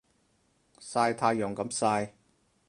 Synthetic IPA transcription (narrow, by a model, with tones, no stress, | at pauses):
saː˧jt̪ʰaː˧jjɔ˨˩ŋkɐ˨˧˥msaː˧j